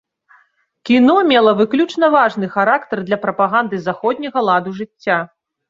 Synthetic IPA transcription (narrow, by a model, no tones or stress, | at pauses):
kʲinɔmʲɛlˠɐvɨklʲut͡ʂnɐvaʐnɨxaɾakt̪ɐrd̪lʲɐpɾɐpaɣand̪ɨzaxɔd̪ʲnʲɐɣɐlˠad̪uʐɨt͡sʲːa